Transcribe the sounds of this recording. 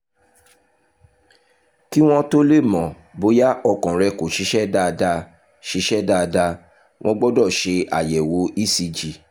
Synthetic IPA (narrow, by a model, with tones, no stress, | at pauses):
ki˦w̃ɔ̃˧to˦le˦˨mɔ̃˨ | bo˨˧˦ja˦ʔɔ˧kɔ̃˨ɾɛ˧ko˨ʃi˨˦ʃɛ˦da˦˧da˧ | ʃi˨˦ʃɛ˦da˦˧da˧ | w̃ʔɔ̃˧ɡ͡bɔ˦dɔ˦˨ʃe˧a̰˨jɛ˨wo˨˦i˦si˧d͡ʒi˨